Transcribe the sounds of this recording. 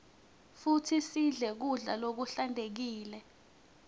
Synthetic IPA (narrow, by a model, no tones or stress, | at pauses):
futʰisiɮɛk̬uɮalok̬uɬandʱek̬iːlɛ